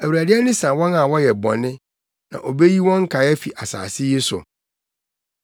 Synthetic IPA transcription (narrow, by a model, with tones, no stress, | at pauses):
æ˨wu˨ɾæ˨dɪ˦ɛ˦nɪ̃˦sã˨wɔ̃˦nã˨wɔ˦jɛ˨bɔ̰̃˨nɪ̃˦ | nã̰˨ʔo˨be˦ji˦wɔ̃˦ŋ̩˦kʰa˨˦ɛ˦fi˨ʔa˨sa̰ː˨sɪ˦ji˦sʊ̰˨